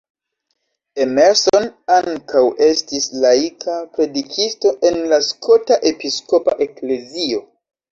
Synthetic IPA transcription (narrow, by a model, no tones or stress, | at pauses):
emeɾsoonaŋkawe̞stislaikʰapɾe̞dikʰisto̞ʔe̞nlaskʰo̞taʔe̞pisko̞pa̰ʔe̞kle̞zio̞